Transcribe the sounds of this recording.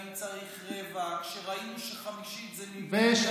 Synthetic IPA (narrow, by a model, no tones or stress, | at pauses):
mt͡saʁiχʁevakʃeʁainuʃeχamiʃit̪zɛmiveʃ